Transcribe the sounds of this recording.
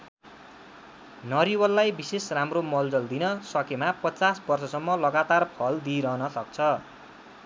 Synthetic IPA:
nʌɾiwʌlːajbisesramromʌld͡zʌld̪inʌsʌkemapʌt͡sasbʌrsʌsʌmːʌlʌɡat̪arpʰʌld̪iɾʌɦnʌsʌk̚t͡sʰʌ

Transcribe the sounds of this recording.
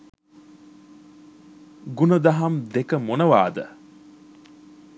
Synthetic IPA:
ɡunəd̪aɦamd̪ekəmonəʋa̰ːd̪ə̰

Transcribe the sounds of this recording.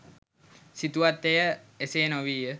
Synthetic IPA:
sit̪uat̪ːejəeseːnoʋiːjə

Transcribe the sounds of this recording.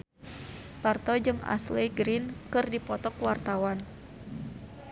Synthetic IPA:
part̪ɔd͡ʒɨŋa̰sliɡɾinkɨrdipɔt̪ɔkwart̪awan

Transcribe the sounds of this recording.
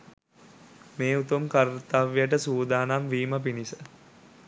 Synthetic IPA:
meːut̪umkaɾt̪aːʋijaʈ̬əsuːd̪aːnamʋiːməpinisə

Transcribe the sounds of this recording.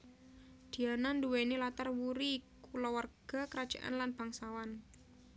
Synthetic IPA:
d̪̥i̤ananduwenilat̪arwuɾikulɔwarɡ̥a̤kəɾad̥d͡ʒʒ̥a̰ʔa̰nlanb̥aŋsawan

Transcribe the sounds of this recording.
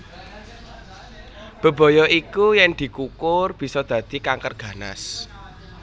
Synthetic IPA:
b̥ə̤b̥o̤jɔʔikujɛŋd̪̥i̤kukʊrb̥i̤sɔd̪̥ä̤d̪̥i̤kaŋkərɡ̥ä̤na̰s

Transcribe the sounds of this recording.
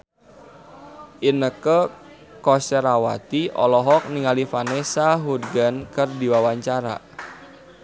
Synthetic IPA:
ʔinəkə | kɔsəɾawat̪iɔ̰lɔɦɔk̚niŋalifanɛsaɦudɡankərdiwawaɲt͡ʃaɾa̰

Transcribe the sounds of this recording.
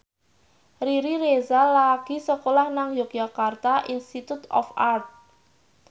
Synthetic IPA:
riɾiɾezalaɡ̥i̤səkolahnaŋjɔk̚d͡ʒakart̪aʔinst̪it̪ut̪ɔ̰fart̪̚

